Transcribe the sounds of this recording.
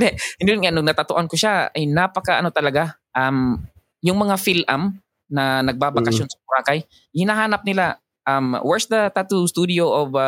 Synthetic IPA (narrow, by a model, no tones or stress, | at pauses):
d̪ɛʔɪnʊnŋanʊɡnɐt̪at̪oʔankʊʃaɐ̰jnapɐkɐʔɐ̰not̪ɐlɐɡa | ʔam | jʊŋmɐŋafɪlʔa̰m | nɐnɐɡ̚babakɐʃjonsɐkʊɾaːkɐj | hɪnaɦaːnɐp̚nɪla | ʔamwɛɹsd̪ɐt̪at̪ust̪ud̪ɪoʔob